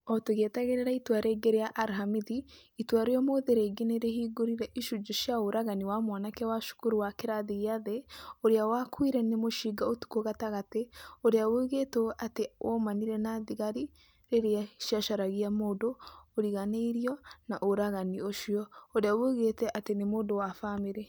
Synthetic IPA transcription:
ɔtoɣetaɣeɾeɾaitwaɾeɡeɾeaʔaɾɦamiðiitwaɾejɔmoðeɾeɡeneɾehiɡoɾiɾɛʔiʃud͡ʒoʃaoɾaɣaniwamwanakɛwaʃu̥kuɾuwakeɾaðiɣiaðeoɾeawakwiɾɛnemoʃiɡaotu̥koɣataɣateoɾeaweɣetoateomaniɾɛnaðiɣaɾi | ɾeɾeaʃjaʃaɾaɣiamoːdoːɾiɣaneiɾjɔnaʔoɾaɣanioʃiɔoɾeaweɣetɛʔatenemoːdowafaːmeɾɛ

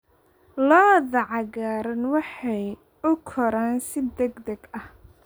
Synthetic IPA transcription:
lɔːðɐʕɑɣaːɾɐnwɑħɑj | ʊkʰɔɾaːnsɪd̪ɛɡd̪ɐɡɐh

